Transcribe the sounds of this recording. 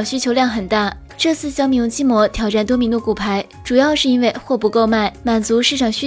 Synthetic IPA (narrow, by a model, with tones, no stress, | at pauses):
ɕy˥t͡ɕʰjo˧˥ʊljɑ˥˩ŋxə˨˩nt̪a˥˩ | ʈ͡ʂɤ˥˧t͡sʰɹ̩˥˩ɕjɑ˥ŋmi˧˥ŋt͡ɕi˥mwɔ˧˥t̪ʰjɑ˨˩ʊʈ͡ʂa˥˩nt̪wɔ˥mi˧˥ŋd̪u˧˩ku˨˩pʰa˧˥ɪ | ʈ͡ʂu˨˩jɑ˥˧ʊʂɻ̩˥˩i˥nwe˥˧ɪxwɔ˥˩pu˧˥ko˥˧ʊma˥˩ɪma˨˩nt͡su˧˥ʂɻ̩˥˩ʈ͡ʂʰɑ˨˩ŋɕy˥